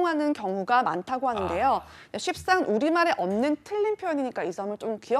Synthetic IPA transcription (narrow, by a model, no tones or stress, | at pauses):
ŋɦanɯnkjʌŋuɡama̰ntʰaɡoɦanɯnde̞jo | aɕʰip̚s͈anʔuɾimaɾe̞ʔʌmnɯntʰɯʎːinpʰjojʌɲiɲik͈aid͡ʑʰʌmɯɭt͡ɕ͈omkiʌ